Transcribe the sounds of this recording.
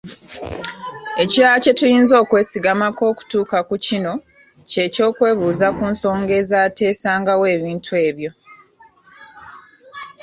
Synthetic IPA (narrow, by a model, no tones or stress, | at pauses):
e̞ciɾace̞tujiːnzo̞ːkwe̞ːsiɡamako̞ːku̥tuːkakucino̞ | ce̞ːco̞ːkwe̞ːβuːzakuːnso̞ːŋɡe̞zaːte̞ːsaːŋɡawe̞ːβiːntʰue̞ːβjo̞